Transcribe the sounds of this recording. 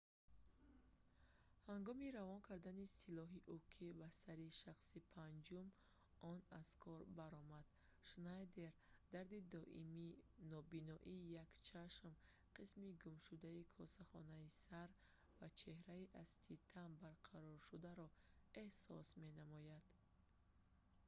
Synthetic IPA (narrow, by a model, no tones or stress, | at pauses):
haŋɡɔmiɾavɔnkʰaɾd̪anisilɔɦiʔukʰibasaɾiʃaχsipʰand͡ʒum | ɔnaz̥kʰɔɾbaɾɔmad̪̥ | ʃnajd̪e̞ɾd̪aɾd̪id̪ɔʔḭminɔbinɔʔiːjakt͡ʃʰaʃm | qʰismiɡumʃud̪aikʰɔsaχɔ̰naisaɾ | vat͡ʃʰe̞hɾaiʔazt̪ʰit̪ʰambaɾqʰaɾɔɾʃud̪aɾɔ | e̞hsɔsme̞namɔjad̪̥